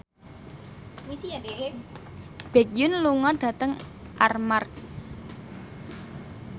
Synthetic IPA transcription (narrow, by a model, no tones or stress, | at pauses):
misiade | b̥ɛk̚jʊnluŋɔɖ̥ä̤t̪əŋʔarmark̚